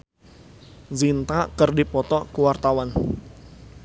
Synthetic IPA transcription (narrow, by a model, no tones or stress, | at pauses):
zint̪akərdipɔt̪ɔkuwart̪awan